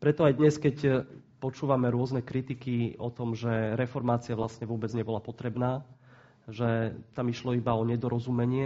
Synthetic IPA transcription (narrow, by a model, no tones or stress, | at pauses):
pɾɛt̪ɔajd̪ɲɛskɛc | pɔt͡ʃuːʋamɛɾʊɔznɛkɾit̪ikiɔt̪ɔmʒɛɾɛfɔɾmaːt͡siaʋlast̪ɲɛʋʊɔbɛd͡zɲɛbɔlapɔt̪ɾɛbnaː | ʒɛt̪amiʃlɔibaɔɲɛd̪ɔɾɔzumɛɲɪɛ